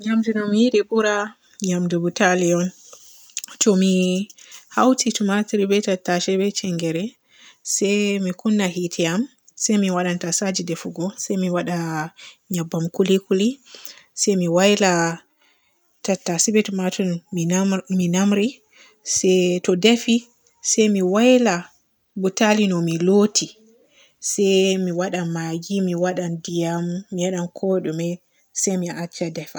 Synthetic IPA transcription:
ɲamd͡ʒuɗɔmijiɗɛbuɾa | ɲamdubutaliɔn | tɔmi | hawtʰitumatiɾibɛtatːaʃɛbɛt͡ʃɛŋɡɛɾɛ | sɛjmikunːaɦitʰɛam | sajmiwaɗantasad͡ʒidɛfuɡɔsajmiwaɗa | ɲabːamkulikulisɛjmiwajla | tatːasibɛtmatun | minamɾi | sɛtɔdɛfi | sɛjmiwajla | butalinɔmilotʰi | sɛjmiwaɗamaɡimiwaɗandijamːijaɗankʰɔɗumɛ | sɛjmiʔat͡ʃːadɛfa

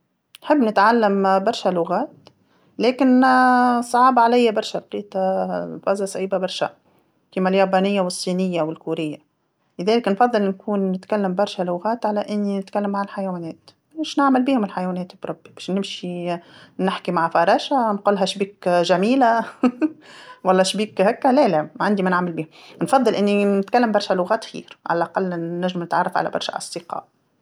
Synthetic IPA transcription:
nħɪbːnɪt̪ʕalːambɑɾˤʃalʊɣaːt̪ | leːkɪn | sˤʕɑːbɑʕalajːabɑɾˤʃalqiːt̪ˤɑfæzasˤʕiːbabɑɾˤʃa̰ | kiːmaljɑːbaːnɪjːawɨsˤːiːnɪjːawɪlkuːɾɪjːa | lɪðɛːlɪknfɑðˤːɨlnkʰuːnːɪt̪kalːambɑɾˤʃalʊɣaːt̪ʕalaʔɪnːinɪt̪kalːamːaʕalħajawaːnɛːt̪ | mɪʃnɪʕmɪlbiːhʊmɪlħajwɛːnɛːt̪bɾˤɑbːibɛːʃnɪmʃi | nɪħkimaʕfɑɾˤɑːʃanquːlːɦæʃbiːkʒæmiːla | wɑlˤːɑːʃbiːkhækːalælæmaʕand̪imænɪʕmɪlbiːhʊmnfɑðˤːɨlʔɪnːinɪt̪kalːambɑɾˤʃælʊɣæːt̪xḭːɾʕa̰lælʔɑqɑlːnːæʒɪmnɪt̪ʕɑ̰rˤːɑfʕa̰læ̰bɑɾˤʃa̰ʔɑ̰sˤd̪̥ɪqɑ̰ːʔ

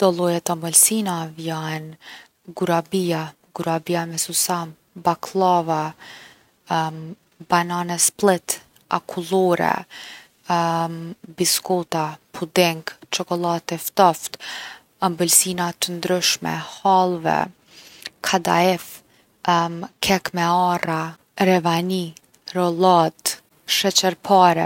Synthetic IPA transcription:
d̪̥ɔlˠɔjat̪ambɔlsinavjan | ɡuɾabia | ɡuɾabiamɛsusam | bakʰlˠava | bananɛsplɪt̪ | a̰kʰulˠɔɾɛ̰ | biskɔt̪apʰud̪ɛŋɡt͡ʃɔkɔlˠat̪ɛft̪aft̪ | ambulsinat̪ənd̪ɾʏʃmɛ̰halˠvɛ̰ | kʰad̪a̰ɛf | kʰɛkmɛara | ɾɛvani | ɾɔlad̪ | ʃɛt͡ɕɛɾpʰaɾɛ

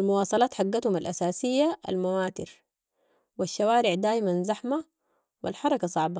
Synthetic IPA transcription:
ʔalmuwɑːsˤɑlɑːt̪ħaɡːat̪humalʔasaːsijːaa̰lmawaːt̪ɪɾ | wiʃːawaːɾɪʕd̪aːʔimanzaħma | wḭlħɑɾˤɑkɑsˤɑʕba

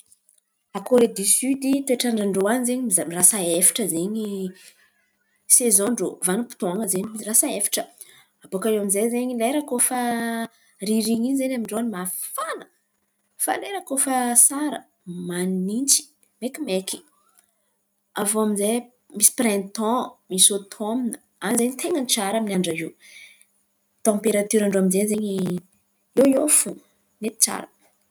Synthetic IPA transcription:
akoɾed̪isyd̪it̪eʈ͡ʂaɳɖ͡ʐaɳɖ͡ʐowanzeɲiizarasaefḁʈ͡ʂəzeɲi | sezɔ̃ɳɖ͡ʐovanupi̥t̪uaŋəzeɲirasaefḁʈ͡ʂə̥ | abokaeamizejzeɲileɾəkofə | riɾiɲiɲzenamiɳɖ͡ʐoanmaffanə | fa̰leɾəkofəsaɾə̰ | mannint͡si̥ | mekʲimeki̥ | avoamize | misi̥prɛ̃nt̪ɔ̃misot̪ʰomnə | anzeɲit̪ʰeŋənt͡saɾaminʲaɳɖ͡ʐai | t̪ɔ̃peɾat̪yɾaɳɖ͡ʐoaminzezeɲi | ewjofu | net̪i̥t͡sa̰ɾə̰

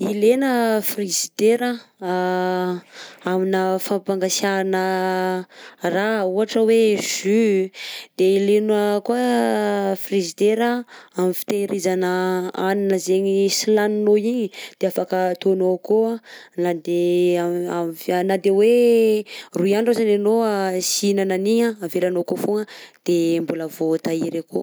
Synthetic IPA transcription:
ilenəfrizid̪eɾə | aminəfapaŋɡasanə | rauɦaʈ͡ʂəwez̥y | d̪̥eilenəkuə | frizid̪eɾaamifi̥t̪eɾizanəaninəzeɲisilaninoiɲid̪̥eafakət̪onokoanad̪eaamanad̪ewe | ruiaɳɖ͡ʐozananoasinananiɲaavelanokofoŋəd̪̥embuləvot̪aiɾeko̰

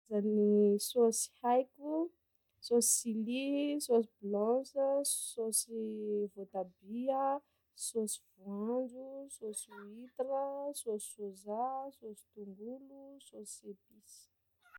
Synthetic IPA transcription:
zanisosi̥hajkʲu | sosi̥silisos̬iblɔ̃səsosivot̪abiə | sosivuãnd͡ʒusosuit̪iɾəsosi̥sozasosi̥t̪uŋɡulusosiepisi̥

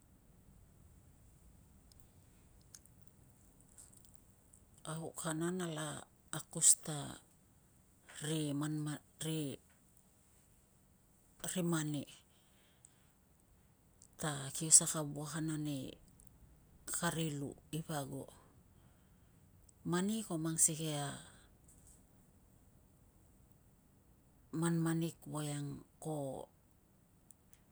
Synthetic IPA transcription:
ahokananalaː | kusta | ɾemanma | ɾe | ɾemane | takiosakabuaɦanani | kaɾilṵipaɡo̰ | maniko̞maŋsikea | manmanikbojaŋko

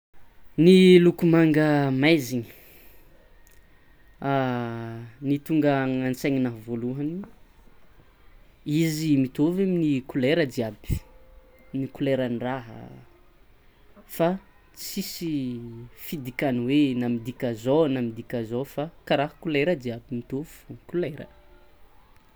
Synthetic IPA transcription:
nilukumaŋɡəmajziɲi̥ | a | nit̪uŋɡəŋant͡seɲinaɦvoluɦani | izimit̪oveminikuleɾədiabi̥ | nikuleɾanraɦə̰ | fa | t͡sisi | fid̪ikʲaniwenamid̪ikʲazonamid̪ikʲazofakaɾaɦə̥kuleɾəd̪iabimit̪ovu̥kuleɾə̰

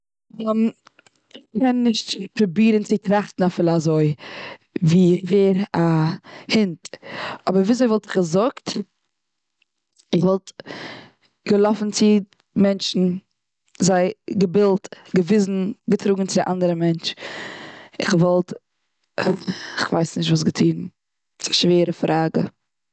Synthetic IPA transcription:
ɔm | ɪχkɛnːɪʃtpɾʊbiːɾənt͡sɪtɾaχtn̩afɪlˠazoɪ | viːveːɾahɪntɔbəɾviːazoɪvɔlˠtɪχɡəzʊkt | ɪχvɔlˠt | ɡ̥əlˠɔfn̩t͡sɪ | mɛnt͡ʃn̩ | zaɪɡəbɪlˠt | ɡəvɪzn̩ɡətʰɾuːɡŋ̩t͡sɪdɪʔandəɾəmɛnt͡ʃ | ɪχvɔlˠt | ɪχvaɪsnɪʃtvuːs̬ɡətʰiːn | sḁʃveːɾəfɾʔaːɡə̰

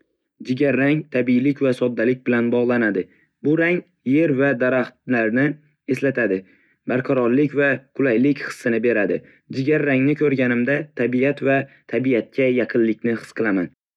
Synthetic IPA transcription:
d͡ʒɪɡʲaɾːaŋt̪ʰabilɪkʲvasɒd̪ːalɪk̚ʲbɪlanbɒʁlˠanad̪ɪ | bʊɾaŋ | je̞ɾvad̪aɾaχt̪laɾnɪ | e̞slat̪ʰad̪ɪ | baɾqʰɑɾɒɾlɪkʲvaqʰʊlajlɪkʲχɨ̥sːɨnɪbe̞ɾad̪ɪ | d͡ʒɪɡʲaɾːaŋnɪkʰʲɵɾɡʲanɪmd̪at̪ʰabiat̪vat̪ʰabiat̪̚kʲʰajɑqʰɨnlːɪkʲnɪhɨ̥sqʰɨlˠaman

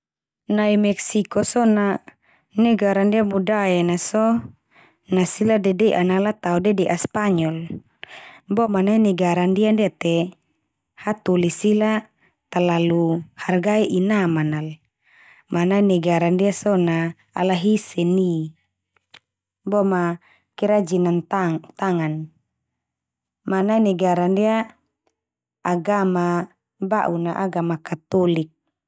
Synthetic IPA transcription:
naimɛksikɔsɔna | nɛɡaɾandiamudajanasɔ | nasiladɛdɛʔanalat̪audɛdɛʔaspaɲɔl | bɔmanainɛɡaɾandiandiat̪ɛ | hat̪ulisila | t̪alaluharɡaiʔinamanal | manainɛɡaɾandiasɔna̰ː | laɦisɛni | bɔma | kiɾad͡ʒinant̪at̪aŋan | manainɛɡaɾandia | ɡama | baʔunaʔaɡamakat̪ɔlik̚

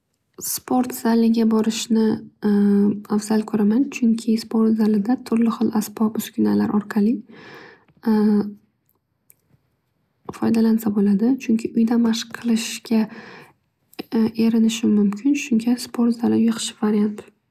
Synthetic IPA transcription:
spʰoɾt̪z̥alːɪɡʲabɒɾɪʃnɪ | afz̥alkʰɵɾamant͡ʃʰʊŋkʲʰɪspo̞ɾt̪zalɪd̪at̪ʰʊɾlɪχɨlˠasbɒbʊskʲʰʊna̰la̰ɾʔɒɾqʰɑlɪ | fɒjd̪alansabolad̪ɪt͡ʃʰʊŋkʲʰɪʊjd̪amaʃqʰɨlˠɪʃɡʲa | e̞ɾɪnɪʃɪmʊmkʲʰɪnʃʊŋɡʲaspʰo̞ɾt̪zalːɪjɨqʰɨ̥ʃɪvaɾjant̪

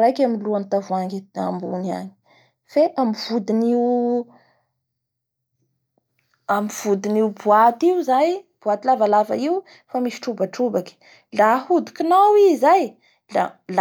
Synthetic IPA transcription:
ɾajkaminluanit̪avuaŋɡea̰mbunia̰ni̥ | feʔamiv̥ud̪iniw | amiv̥ud̪iniwbuat̪iuzajb̥uat̪ilavalava̰iw | famisi̥ʈ͡ʂubaʈ͡ʂubaki̥ | lahud̪u̥kinawizaj | lala

